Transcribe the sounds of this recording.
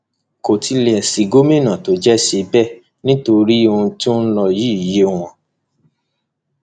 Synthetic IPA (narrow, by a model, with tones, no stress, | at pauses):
ko˨ti˧lɛ˨ɛ˨si˨ɡo˦mẽ˦˨nã˨to˨˦d͡ʒɛ˦ʃe˧bɛ˦˨ | nĩ˦to˧ɾi˦o˧ũ˧tũ˦n̩˦lɔ˧ji˦i˨je˦w̃ɔ̃˧